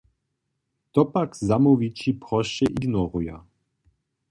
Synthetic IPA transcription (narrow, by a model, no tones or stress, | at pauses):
t̪ɔpakzamɔvit͡ʃipɾɔʃɛʔiɡnɔɾuja̰